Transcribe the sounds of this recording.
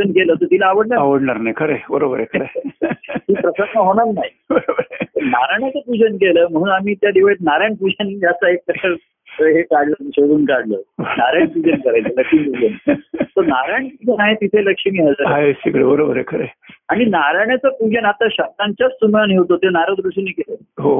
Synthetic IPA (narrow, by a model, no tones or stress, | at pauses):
ənkeləːt̪ət̪ilaːʋəɽɳaaʋəɽɳaɾnajkʰəɾebəɾobəɾekʰəɾe | ɦiːpɾəsənnəɦoɽ̃aɾnaɦi | bəɾbəɾt̪əɾnaɾaɳjat͡səpud͡ʑənk̬eləːm̤əɽ̃uːnamiːt̪jad̪iʋaɭit̪naɾjaɳpud͡ʑənd͡ʑjat͡saekaə | ɦekaɽləɕoɽuːnkaɽlə̰ːnaɾaɳpud͡ʑənkəɾajt͡sələkʂimpud͡ʑənt̪əɾnaɾjaɳpud͡ʑənaɦet̪it̪ʰeləkʂimiːɦəd͡zəaesikɽḛbəɾobəɾekʰəɾḛaɽ̃inaɾaɳ̃jat͡səpud͡ʑənat̪aɕəb̚t̪aɲt͡ɕat͡ssumjanɦewt̪ot̪enaɾəd̪ɾuɕinikelə | ɦo